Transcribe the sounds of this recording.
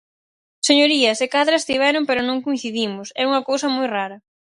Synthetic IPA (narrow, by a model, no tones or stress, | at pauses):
seɲoɾiɐsekaðɾɐest̪iβɛɾʊmpɛɾʊnõŋkuĩθiðimʊsɛuŋɐkowsɐmojraɾɐ